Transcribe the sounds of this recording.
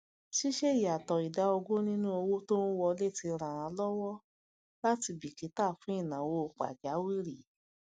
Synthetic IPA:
ʃi˦ʃe˦i˨a˨tɔ˨i˨da˨˦o˧ɡo˦nĩ˦nũ˦o˧wo˦to˦o˦wɔ˧le˦˨ti˧ɾ̃ã˨ã˨˧˦lɔ˦wɔ˦ | la˦ti˧bi˨ki˨˦ta˦˨fũ˦i˦˨nã˨wo˧˨k͡pa̰˨d͡ʒa˨˦wi˦ɾi˨

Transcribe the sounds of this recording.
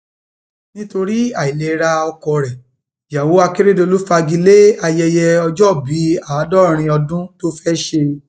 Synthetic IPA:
nĩ˦to˧ɾi˦a˨i˨le˨˦ɾa˧ɔ˧kɔ˧˨ɾɛ˨ | ja˨wo˨˦a˧ke˦ɾe˦do˧lu˦fa˧ɡi˧le˦a˧jɛ˧jɛ˧ɔ˧d͡ʒɔ˦˨bi˨˦a˦˨a˨˦dɔ˦ɾ̃ĩ˧ɔ˧dũ˦to˦fɛ˦ʃe˧

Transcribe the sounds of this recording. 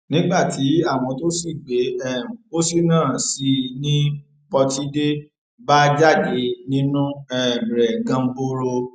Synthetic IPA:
nĩ˨˦ɡ͡ba˦˨ti˨˦a˦˨w̃ɔ̃˧to˦si˦˨ɡ͡be˨˦ɛ˦˨m̩̃˨o˦si˦˨nãː˦˨si˨˧˦nĩ˦ | bɔ˧ti˦de˦ | ba˦d͡ʒa˦˨ɡe˨˦nĩ˦nũ˦ɛ˦˨m˨ɾɛ˨ɡã˧m̩˦bo˦ɾo˧

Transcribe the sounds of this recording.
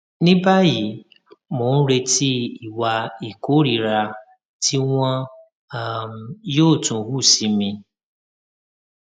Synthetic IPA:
nĩ˦ba˦ji˨˦ | mõ˨n̩˦ɾe˧ti˦i˨wa˨i˨ko˦ɾi˨ɾa˧ | tʰi˦wʷã˦ | joː˦˨tũ˨wu˦˨si˨mĩ˧

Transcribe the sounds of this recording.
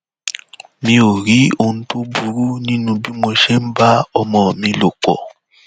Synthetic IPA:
mĩ˦o˨ɾi˦o˨n̩˦to˦bu˨ɾu˦nĩ˦nũ˧bi˦mo˨ʃe˦m̩˦ba˦ɔ˦mɔ˨mĩ˦lo˨kɔ̰˨

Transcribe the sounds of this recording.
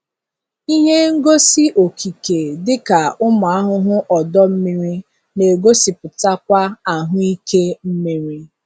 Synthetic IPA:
i˦ɦe˦ŋ̩˦ɡo˦si˦ʔo˨kʰi˨ke˨dɪ˦ka˨ʊ˦mʊ˨a˦ɦʊ˦ɦʊ˦ʔɔ˨dɔ˦m̩˦mi˦ɾi˦ | ne˨ɡo˦si˨pʊ˨ta˦kʷa˦a˨ɦʊ˦i˦ke˦m̩˦mi˦ɾi˦

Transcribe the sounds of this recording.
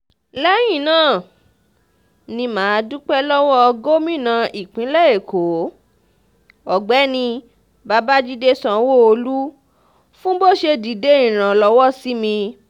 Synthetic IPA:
lɛ˦j̃ĩ˦˨nãː˦˨ | nĩ˧mãː˨˦˧du˦k͡pɛ˦lɔ˦wɔ˦˧ɡo˦mĩ˦˨nã˧ʔi˨k͡pĩ˨˦lɛ˦˨e˨kʰo˨˦ | ɔ˨ɡ͡bɛ˨˦nĩ˧ | ba˧ba˦d͡ʒi˦de˦sã˧wo˦o˧lu˦ | fũ˦bo˦˨ʃe˧di˨de˨˦ĩ˦˨ɾ̃ã˨lɔ˧˦wɔ˦˨si˨˦mĩ˧

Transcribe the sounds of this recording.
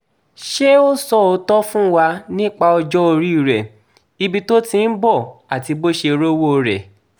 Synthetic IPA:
ʃe˦o˦sɔ˦˨o˧tɔ˦fũ˦wa˧nĩ˦˨k͡pa˧ɔ˧d͡ʒɔ˦o˧ɾi˦i˦˨ɾɛ˨ | i˧bi˧to˦tĩ˧n̩˦bɔ˦˨a˨ti˧bo˦ʃe˧ɾo˦wo˦o˧ɾɛ̰˨

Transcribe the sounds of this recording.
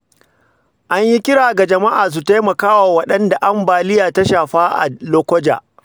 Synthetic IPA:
ʔa˦ɲji˦kʲɪ˦ɽaː˨ɡa˨d͡ʒɐ˨ma˦ʔaː˨s̬u˨ta˦jmɐ˨kaː˦waː˨wɐ˦ɗɐ˦nda˨ʔa˦mbaː˨lɪ˦jaː˨ta˦ʃaː˨ɸaː˦ʔa̰˨loː˦kʷɔ˦d͡ʒa̰ː˨

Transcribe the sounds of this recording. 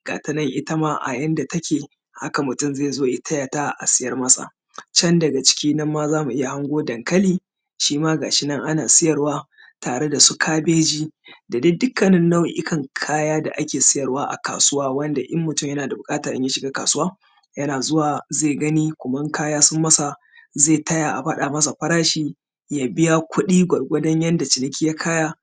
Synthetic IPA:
ɡ̥a̰ː˨tɐ˦nɐ˦ŋʔɪ˦tɐ˦maː˦ʔa̰˨jɐ˦nda˨tɐ˦kʲeː˨ | ha˦ka˨mʊ˨tʊ˦˨mzeː˦˨zoː˦ʔɪ˦tʰɐ˦jaː˨taː˦˨ʔa̰˨sɪ˦jɐ˦rmɐ˦sʼa̰˨ | t͡ʃɐ˦ndɐ˨ɡa˨t͡ʃɪ̥˦kʲiː˦nɐ˦mːaː˦zaː˦mu˨ʔɪ˦ja˨ha˦ŋɡʷoː˦dɐ˨ŋkɐ˦liː˦˨ | ʃiː˦maː˦ɡaː˨ʃɪ˦nɐ˦ŋʔa˦naː˨sɪ˦jɐ˨rwaː˦ | taː˨ɽe˦da˨su˦kʰaː˦beː˦d͡ʒiː˦da˨dɪ˦dʊ˦kːɐ˨nɪ˦nːa˦wʔɪ˦kʰɐ˨ŋkʰaː˦jaː˦da̰˨ʔa˦kʲeː˨sɪ˦jɐ˨rwaː˦ʔa̰˨ka̰ː˨sʊ˦waː˦wɐ˦nda˨ʔɪ˦mːʊ˨tʊ˦mjɐ˦naː˨da˨bʊ˨kʼaː˦tɐ˨ɾɪ˦ja˦ʃɪ˨ɡaː˦kaː˨sʊ˦waː˦ | jɐ˦naː˨zʊ˦waː˨zeː˦˨ɡɐ˦niː˦kʷʊ˨mɐ˦ŋkaː˦jaː˦sʊ˦mːɐ˦sa˨ | zeː˦˨tɐ˦ja˨ʔa̰˨ɸa˦ɗa˨mɐ˦s̬a˨ɸɐ˦ɾaː˦ʃiː˦ | jaː˨bɪ˦ja˦kʷʰʊ˦ɗiː˦ɡʷɐ˨ɽɡʷɐ˦dɐ˦ɲjɐ˦nda˨t͡ʃɪ˨nɪ˦kʲi˦ja˦kʰaː˦jaː˦

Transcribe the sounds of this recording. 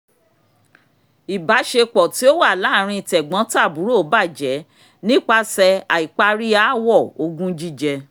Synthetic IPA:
i˨ba˨˦ʃe˧k͡pɔ˨ti˨˦o˦wa˦˨la˨˦˨ɾ̃ĩ˧i˨tɛ˨ɡ͡bã˨˦ta˦˨bu˨˦ɾo˦˨˦ba˦˨d͡ʒɛ˨˦ | nĩ˦k͡pa˧sɛ˧a˨i˨k͡pa˧ɾi˦a˨˦wɔ˦˨o˧ɡũ˦d͡ʒi˦˨d͡ʒɛ˧

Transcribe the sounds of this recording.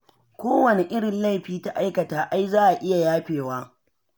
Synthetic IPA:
kʷoː˦wɐ˨ne˨ʔɪ˦ɽɪ˨nla˦˨jɸiː˦ta˦ʔa˦jkɐ˨taː˨ʔa˦jzaː˦ʔa˨ʔɪ˦ja˨jaː˦ɸeː˨waː˦

